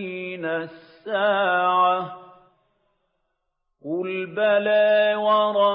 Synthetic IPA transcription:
inasːaːʕa | wɪlbalaːwɑɾˤɑ

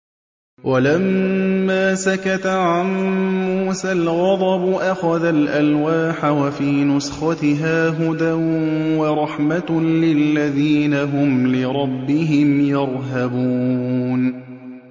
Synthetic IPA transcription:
wʔalamːaːsakat̪aʕanːuːsalɣɑd̪ˤɑbʊʔaxaðalʔalwaːħawafiːnʊsxɑt̪ɪɦaːɦʊd̪awɑɾˤɑħmalɪlːaðiːnaɦʊmlɪɾˤɑbːɪɦɪmjɑɾˤɦabuːn

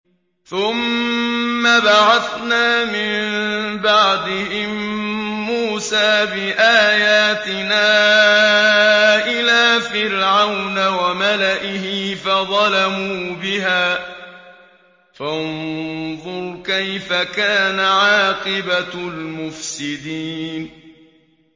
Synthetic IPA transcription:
θʊmː | abaʕaθnaːmɪmbɑʕd̪ɪhɪmː | uːsaːbɪʔaːjaːt̪ɪnaː | ʔɪlaːfɪɾʕawnawamalaʔɪhɪfɑðˤɑlamuːbɪɦaː | fannðˤʊɾkajfakaːnaʕɑːqɨbalmʊfsɪd̪iːn

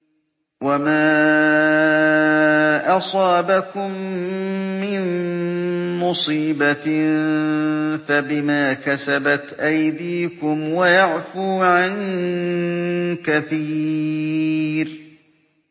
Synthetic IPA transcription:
wamaː | ʔɑsˤɑːbakʊmː | ɪn | mʊsˤiːba | fabɪmaːkasabat̪ʔajd̪iːkʊmwajaʕfuːʕan | kaθiː | ɾ

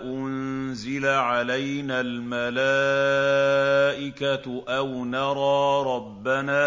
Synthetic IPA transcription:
ʔʊnzɪlaʕalajnaːlmala | ʔɪkaʔawnɑɾˤɑːɾˤɑbːanaː

